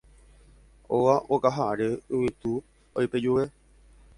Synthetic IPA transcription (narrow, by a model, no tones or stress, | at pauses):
oʋaʔokaɦaɾeɨʋit̪u | ojped͡ʒuʋe